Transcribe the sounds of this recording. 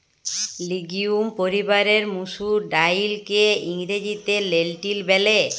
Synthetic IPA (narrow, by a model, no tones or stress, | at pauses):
liɡiumpoɾibaɾeɾmuʃuɖajlkeiŋɾed͡ʑit̪elelʈilbɛle